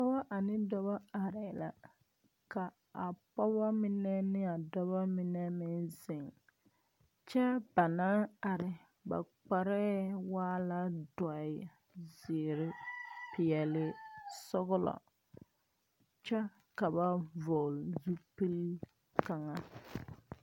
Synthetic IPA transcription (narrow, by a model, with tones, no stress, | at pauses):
pɔ˦ba˦ʔa˨nɪ˦dɔ˦βa˦a˨ɾɪ˨la̰˨ | ka˨ | a˨pɔ˦βa˦mɪ˦nɛ˦nɪ˦a˨dɔ˦βa˦mɪ˦nɛ˦mɪ˦nzɪ˨ŋ | t͡ʃɛ˦b̥a˨naː˦a˨ɾɪ˨ | ba̰˨k͡pa˨ɾɛ˦waː˦la˦dɔ˨ɪ˨ | zɪ˨ɾɪ˦pɪ˨ɛ˨lɪ˦sʊ˦ɣʊ˦lɔ̰˨ | t͡ʃɛ˦ | ka˨ba˦vɔ˨lzu˦pi˦l | ka˨ŋa˨